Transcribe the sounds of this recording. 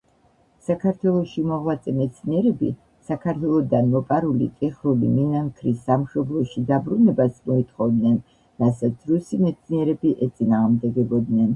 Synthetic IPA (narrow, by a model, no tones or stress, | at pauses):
sakʰaɾt̪ʰwɛlˠɔʃimɔʁwlat̪sʼɛmɛt̪sʰniɛɾɛbḭ | sakʰaɾt̪ʰwɛlˠɔd̪anmɔpʼaɾulḭt̪ʼɛχɾulḭminaŋkʰɾisːamʃɔblˠɔʃid̪abɾunɛbasmɔit̪ʰχɔvd̪nɛn | ɾasat̪sʰɾusimɛt̪sʰniɛɾɛbiʔɛt̪sʼinaːʁmd̪ɛɡɛbɔd̪nɛn